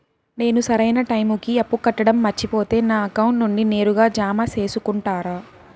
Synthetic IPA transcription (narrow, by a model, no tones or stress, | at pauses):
ne̞ːnusɐɾɐjnɐʈɐjmukiɐpːukɐʈːɐɽɐmːɐɾt͡ʃːipo̞ːt̪e̞ːnaːɐkɐwuɳʈnuɳɖine̞ːɾuɡaːd͡ʒaːmaːse̞ːsukuɳʈaːɾaː